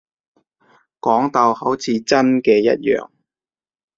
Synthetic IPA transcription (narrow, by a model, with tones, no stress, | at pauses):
kɔː˨˥ŋt̪ɐ˨˧whɐ˨˥wt͡sʰiː˨˥t͡sɐ˥nkɛː˧jɐ̰˥t̚jœ̰ː˨˧ŋ